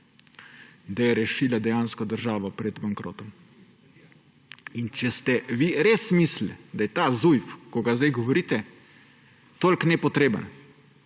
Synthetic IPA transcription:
d̪ajɛɾɛʃiːlad̪ɛjaːnskɔd̪əɾʒaːʋɔpɾɛd̪baŋkɾo̰ːt̪ɔm | int͡ʃɛst̪ɛʋiɾeːsmisld̪ajɛt̪aːzujfkɔɡazd̪ɛjɡɔʋɔɾiːt̪ɛ | t̪oːlʲknɛpɔt̪ɾeːbə̰n

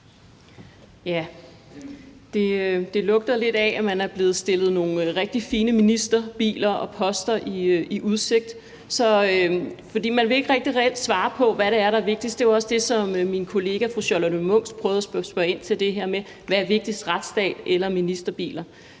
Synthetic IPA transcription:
jæ | d̥e̝ød̥e̝lɔ̽ɡ̥̚d̥ɐle̝d̥ææmænæɐb̥le̝ːð̩ˠsd̥e̝lð̩ˠno̝ːn̩ʁɛɡ̥̚d̥ifiːnəminisd̥ɐb̥ḭːlɐɒ̽pʰɒ̽sd̥ɐʔiiʔuð̞ˠse̝ɡ̥̚d̥ | sɒ̽øfɒ̽dḭːmænʋe̝e̝ɡ̥ʁɛɡ̥̚d̥iʁɛel̰d̥sʋɑ̈ːpʰɒ̽ʋæɾeæɐɾɑʋe̝ɡ̥̚d̥isd̥e̝ɒ̽sd̥e̝sɒ̽mminkʰo̝le̝ːɡ̥æfʁuɕɒlɒnomɔ̽ŋ̰spʰʁœːʊðˠɐsbsb̥œe̝n̰t͡sʰe̝ld̥e̝ɦeɐ̰me | ʋæʋe̝ɡ̥̚d̥isd̥ʁad̥sd̥ɛ̰ːd̥elɐminisd̥ɐb̥ḭːlɐ

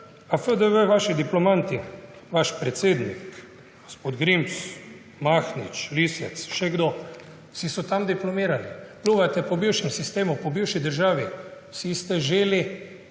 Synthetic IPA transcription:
afəd̪əʋəʋaːʃid̪iplɔmant̪iʋaʃpɾɛt̪seːd̪nḭk | ɡospoːd̪ɡɾims | maːxnḭt͡ʃlisɛt̪sʃɛɡd̪o | sisɔt̪amd̪iplɔmiːɾalipluːɡat̪ɛpɔbiwʃɛmsist̪eːmupɔbiwʃid̪əɾʒaːʋi | sist̪ɛʒeːli

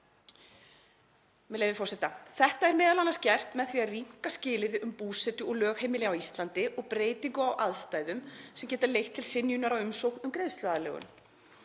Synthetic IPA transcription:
mɛlejvɪfɔrsɛt̪aθɛht̪aɛɾmɛːðalanːascɛr̥t̪mɛðθviariŋ̥kascɪːlɪɾʏmpuːsɛt̪ʏɔɣlœːɣhejmɪlɪawist̪lant̪ɪʔɔɣpɾeːjt̪iŋkʏawʔaðst̪aːjðʏmsɛmcɛːt̪alejht̪ʰːɪlsɪnjʏnaɾawʏmsowknʏmkɾejðst̪lœalɛ̰ːɣʏ̰m

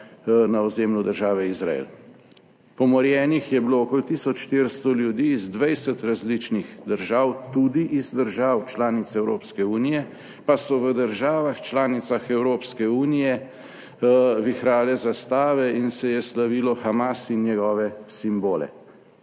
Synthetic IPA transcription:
naɔzeːmlud̪əɾʒaːʋɛizɾa̰ḛl | pɔmɔɾjɛːnixjɛbiloːkolt̪iːsɔt͡ʃʃt̪eɾst̪ɔljud̪iːzd̪ʋɛjsɛt̪ɾazlit͡ʃnixd̪əɾʒaːwt̪uːd̪iʔizd̪əɾʒaːwt͡ʃlaːnit̪sɛwɾoːpskɛuːnijɛ | pasɔʋəd̪əɾʒaːʋaxt͡ʃlaːnit̪saxɛwɾoːpskɛuːnijɛ | ʋixɾaːlɛzast̪aːʋɛinsɛjɛslaʋilɔxamasinjɛɡɔːʋɛsimboːlɛ̰

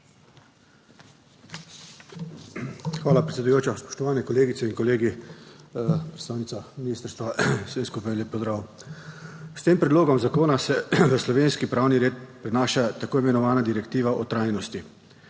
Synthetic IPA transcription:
xʋaːlapɾɛt̪sʲɛd̪ujoːt͡ʃaspɔ̥ʃt̪ɔʋaːnɛkɔleːɡit̪sɛiŋkɔleːɡi | pɾɛt̪st̪aːwnit̪saminiːst̪əɾst̪ʋaseskupajɛnleːp̚ːɔzd̪ɾaːw | st̪eːmpɾɛd̪loːɡɔmzakoːnasɛʋəslɔʋeːnskipɾaːwniɾeːt̪pɾɛnaːʃat̪akoːimɛnɔʋaːnad̪iɾɛkt̪iːʋaʔɔt̪ɾajnɔst̪i

